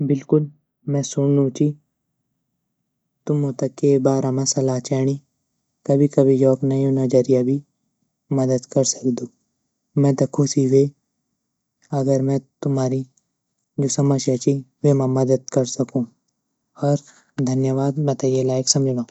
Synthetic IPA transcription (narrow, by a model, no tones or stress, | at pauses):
bɪlkʊl | mɛ̃sʊɳːũt͡ʃi | t̪ʊmːõt̪ɐkːebaːɾamɐ̃sɐlaːt͡ʃɛːɽ̃i | kɐbʱikɐbʱid͡ʒɔːknɐjõnɐd͡ʒɐɾijabʱi | mɐd̪əd̪kɐɾsɐ̥kd̪ũː | mɛ̃ːt̪ɐkʰũsiʋe | ɐɡəɾmɛ̃t̪ʊmɦaːɾi | d͡ʒosɐməsjat͡ʃiʋemãmɐd̪əd̪̚kɐɾsɐkũː | ɔɾ | d̪ʱɐnjəʋaːd̪mɐ̃t̪ajelaːjəksɐ̃md͡ʒʱʋã